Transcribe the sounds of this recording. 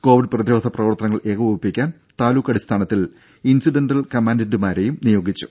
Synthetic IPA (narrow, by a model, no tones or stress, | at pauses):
ko̞ːʋiɖprɐðiɾo̞ːd̪ʱɐprɐʋɐrt̪ɐnɐŋːɐɭʔe̞ːkʰɐʋubɐpːikʲːaːn | t̪aːluːkːɐɽist̪ʰaːɳɐt̪ːil | insiɖenɖɐlkɐmaːndɐndumaːɾe̞jumnijo̞ːɡit͡ɕːu̥